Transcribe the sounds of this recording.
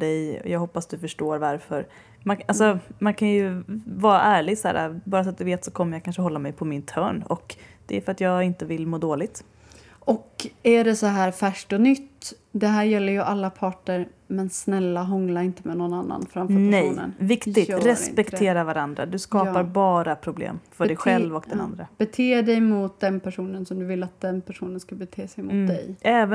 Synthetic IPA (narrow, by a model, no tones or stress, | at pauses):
ɖɛjɔ̰jɑɡhɔpːast̪d̪ɵfœʂʈoːɾvaɾfœɾ | maalsɔmankʰanjɵvɑːɾa̰ʔæːɭɪɡsæ̰ːɾa̰bɑːɾafɾat̪̚d̪ɵveːt̪sɔkʰɔmːəjakʰanʂəɦɔlːamɛjpʰɔmɪnt̪ʰœːɳɔkd̪̥ɛæɾfœɾat̪jɑːɡɪnt̪əvɪlmoːd̪oːlɪɡ̚t̪ | ɔkæɖɛsɔɦæːɾfæʂʈɔnʏt̪ː | d̪ɛɦæːɾjɛlːəɾjɵʔalːapʰɑːʈəɾ | mɛnsnɛlːaɦɔŋlaɾɪnt̪əmɛnɔnːanːa̰nfɾamfœnɛjnə̰nvɪkt̪ɪɡ̪ɾɛsɪ̰pɛkt̪ʰeːɾaɾvaɾand̪ɾa̰d̪ɵskɑːpaɾbɑːɾapʰɾʊblḛːmfœɖɛjɧɛlvɔk̚d̪ɛna̰nd̪ɾab̥ɛt̪ʰeːɖɛjmʊt̪̚d̪ɛnpʰæʂuːnənsɔmd̪ɵvɪlːat̪̚d̪ɛnpʰæʂuːnənskabɛt̪ʰeːsɛjmʊt̪̚d̪ɛ̰jʔɛːvə